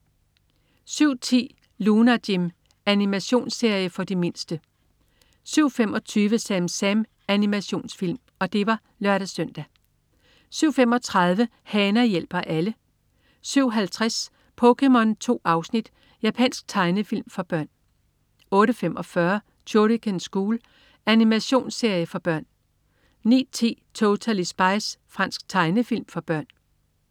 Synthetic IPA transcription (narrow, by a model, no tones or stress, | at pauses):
syʊ̰t͡sʰḭː | lunæd̥im | ænimæɕo̝̰ːnse̝ɐ̰jəfɒ̽d̥ime̝nsd̥ə | syʊ̰femɒ̽t͡sʰyːʋəsæmsæm | ænimæɕo̝̰ːnsfil̰m | ɒ̽d̥e̝ʋɑ̈ | lɶɐɾ̥æsœn̰d̥æ | syʊ̰femɒ̽t͡sʰʁɑ̈ð̞ˠʋə | hɛːnɐjel̰b̥ɐʔælə | syʊ̰ɦælt͡sʰʁas | pʰɔ̽kʰemɒ̽nt͡sʰo̝̰ːɑ̈ʊsnid̥ | jæpʰɛ̰nsɡ̥̚t͡sʰɑ̈ɪnəfil̰mfɒ̽b̥ɶɐ̰n | ɔ̽ːɾəfem̰ʔɒ̽fɶɐ | dʰoɾikʰensɡ̥uːl | ænimæɕo̝̰ːnse̝ɐ̰jəfɒ̽b̥ɶɐ̰n | nḭːt͡sʰe̝̰ːt͡sʰot͡sʰælisb̥ɑ̈ɪsfʁɑ̈n̰sɡ̥t͡sʰɑ̈ɪnəfilmfɒ̽b̥ɶɐ̰n